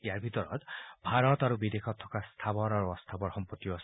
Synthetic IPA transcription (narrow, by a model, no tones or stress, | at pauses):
ijaɹbʱit̪ɔɹɔ̰t̪bʱaɾɔt̪aɾubid̪ekʰɔt̪ʰːɔ̥kast̪ʰabɔɾaɹuɔst̪ʰabɔɹxɔmpɔt̪ːijɔs